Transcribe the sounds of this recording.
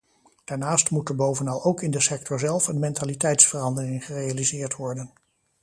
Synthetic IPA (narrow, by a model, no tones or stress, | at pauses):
d̥aːɹnaːstmutəɹbowvənɑlˠowkɪndəsɛktʰɔɹzɛlˠfənmɛntaːlitɛjtsfərɑndərɪŋχərejalizɪːɹtʋɔɹdən